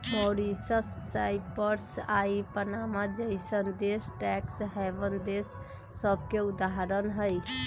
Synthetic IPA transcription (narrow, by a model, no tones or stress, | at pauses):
mɔːɾisəsːaɪpəɾsaipənamad͡ʒəɪsənd̪esʈɛksɦɛʋənd̪eːsː | əb̚ʱkeʊd̪aɦəɾənɦəj